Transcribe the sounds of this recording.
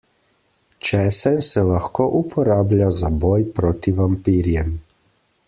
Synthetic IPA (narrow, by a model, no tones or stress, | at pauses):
t͡ʃɛːsɛnsɛlaxkoːʔupʰɔɾaːblʲjazabɔːjpɾoːt̪ivampiːɾjɛm